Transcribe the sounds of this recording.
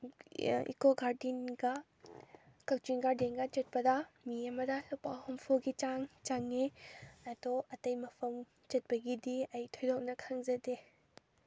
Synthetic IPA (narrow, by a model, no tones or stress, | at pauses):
ḭkoɡaɾdinɡɐ | kɐk̚t͡ʃinɡaɾdenɡɐt͡ʃɐt̚pɐdɐmiɐmɐdɐlupahɔmpʰɔɡit͡ʃaŋt͡ʃaŋeatɔɐtɐjmɐpʰɐm | t͡ʃɐt̚pɐɡidiɐjtʰɔjdɔk̚nɐkʰaŋzɐde